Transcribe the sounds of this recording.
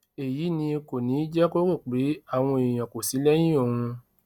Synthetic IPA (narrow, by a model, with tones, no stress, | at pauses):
e˨ji˨˦nĩ˧e˧ko˨nĩ˨˦d͡ʒɛ˦ko˦ko˦˨k͡pi˨˦a˦˨w̃ɔ̃˧e˨j̃ã˨ko˨si˨˦lɛ˦j̃ĩ˦o˦˨hũ˧